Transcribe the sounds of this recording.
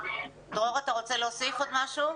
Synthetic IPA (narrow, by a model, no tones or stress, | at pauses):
d̪ʁoʁat̪aʁot͡selosifod̪maʃu